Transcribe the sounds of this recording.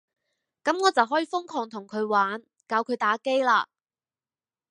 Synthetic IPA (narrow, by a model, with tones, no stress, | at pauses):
kɐ˨˥mŋɔː˨˧t͡sɐ˨wɦɔː˨˥jiː˨˩fʊ˥ŋkʰɔː˨˧ŋt̪ʰʊ˨˩ŋkʰɵ˨˧ɥwaː˨˥n | kaː˨˧wkʰɵ˨˧ɥt̪aː˨˥ke˥jlaː˧